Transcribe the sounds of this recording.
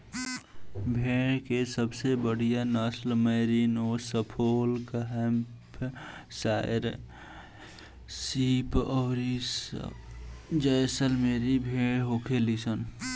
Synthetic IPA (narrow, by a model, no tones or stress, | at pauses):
bʱeːɽkesəbsebəɽ̤ijanəslməːɾiːnoːsəpʰoːlɡaɦɛm | psaːɾ | siːpɔːɾis | d͡ʒəjsəlmeːɾibʱeːɽɦoːkʰelisən